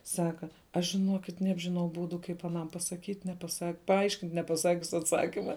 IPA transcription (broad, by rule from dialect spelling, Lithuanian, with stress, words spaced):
ˈsɑːkɐ ˈɐʃ ʒʲɪˈnuɔkʲɪt ˈnʲæːbʲʒʲɪˌnɐʊ ˈbuːdʊ ˈkɐɪp ɐˈnɐm pɐsɐˈkʲiːtʲ nʲɛpɐˈsɐk pɐˈɐɪʃʲkʲɪnʲtʲ nʲɛpɐˈsɑːkʲʊs ɐtˈsɑːkʲɪmɐ